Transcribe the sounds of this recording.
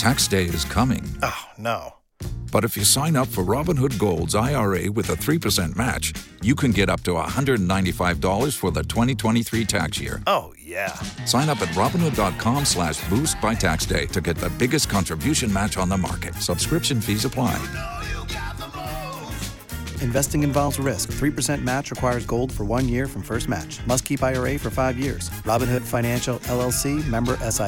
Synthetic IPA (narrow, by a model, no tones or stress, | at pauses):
tʰæksd̥eɪɪ̰z̥kʰʌmɪ̰̃ŋonoʊ | b̥ʌɾɨfjɨsãɪ̃nʌpfə˞ɹɑbə̃nhʊd̚ɡoʊlˠdzaɪɑɹeɪwɨðəθɹipʰə˞sɛ̃nmæ̰t͡ʃjɨkʰɨ̃nɡɛɾʌp̚tʰəə̰hʌ̃ndɹɨdnãɪ̃ntifaɪvdɔlˠə˞z̥fə˞ðɨtʰw̥ɛ̃ɾ̃itʰw̥ɛ̃ɾ̃iθɹitʰæ̰ksjɪ̰ɹoʊjæsãɪ̃ñʌpɨt̚ɹɑbə̃n̩hʊdɑt̚kʰɑ̃mslæʃb̥ust̚b̥aɪtʰæksd̥ḛɪɾɨɡɛt̪̚ðɨbɪɡɨskʰɑ̃ntɹ̥ɨbjʉʃɨ̃nmæt͡ʃn̩ðəmɑ̰ɹkɨt̚səb̥skɹɪpʃɨ̃nfizəpʰl̥aɪ | ɨ̃ɱvɛstɪ̃ŋɨ̃ɱvɑlˠvzəɹɪskθɹipə˞sɛ̃nmæt͡ʃɹɨkʰw̥aɪə˞zɡoʊlˠd̥fə˞wʌ̃njɪɹfɹʌ̃ɱfɜ˞st̚mæ̰t͡ʃmʌskʰipaɪəɹeɪfə˞faɪvjɪ̰ɹz̥ɹɑbɨ̃nhʊd̥fãɪ̃ñæ̃nʃl̩ˠɛlˠɛlˠsimɛ̃mbə˞ʔɛsa